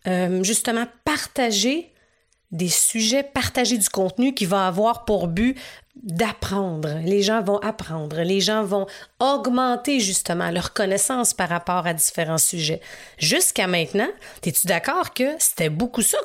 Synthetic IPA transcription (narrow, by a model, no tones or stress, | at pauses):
ømʒyst̪əmɑ̃paʁt̪aʒe | d̪esyʒɛpaʁt̪aʒed̪ykɔ̃t̪nykʲivãavwaʁpuʁbyd̪apχɑ̃d̪ʁleʒɑ̃vɔ̃ʔapχɑ̃ːd̪ʁleʒɑ̃vɔ̃ɔɡmɑ̃t̪eʒyst̪əmɑ̰̃lœʁkɔnɛsɑ̃spaʁːapɔːʁad̪i̥feʁɑ̃syʒɛʒyskʲamɛ̃t̪nɑ̃t̪ɛt̪yd̪akɑːʁkʲəse̥t̪ɛbokusɔ